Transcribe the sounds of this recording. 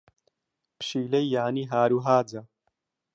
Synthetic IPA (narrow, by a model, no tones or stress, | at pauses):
pʃiːlejːaːniːɦaːɾuɦaːd͡za